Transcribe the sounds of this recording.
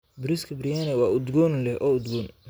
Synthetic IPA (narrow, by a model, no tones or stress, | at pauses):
bʊɾɪskʰɐbrɪjanɛwɑːʊd̪ɡɔːnlɛʔɔːʊd̪ɡɔːn